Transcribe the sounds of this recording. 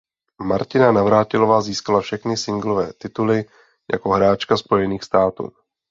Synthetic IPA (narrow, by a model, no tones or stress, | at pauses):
maɾcɪnanavɾaːcɪlo̞vaːziːskalafʃɛxnɪsɪŋɡlovɛːt̪ɪt̪ulɪ | ja̰ko̞ɦɾaːt͡ʃkaspo̞jɛniːxst̪aːt̪ṵː